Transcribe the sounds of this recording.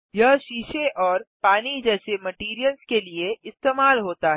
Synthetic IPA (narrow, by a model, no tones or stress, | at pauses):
jɐɦʃiːʃeʔɔːɾpaːnid͡ʒɛːsemɐʈiːɾijəlskelieɪst̪eːmaːlɦoːt̪aɦɛ